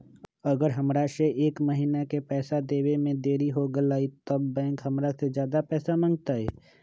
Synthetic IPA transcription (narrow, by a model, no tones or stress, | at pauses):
ɐɡəɾɦəmɾaseʔeːkməɦiːnakepɛːsad̪eːwemẽd̪eːɾiɦoɡəlaːit̪əbːɛ̃ːŋkɦəmɾased͡ʒjaːd̪apɛːsamə̃ŋɡ̚t̪aɦɛː